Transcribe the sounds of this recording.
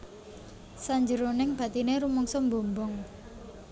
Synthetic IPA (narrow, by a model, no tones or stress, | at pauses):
saɲd͡ʒəɾonɪŋb̥ä̤t̪ineɾumɔŋsɔmbombʊŋ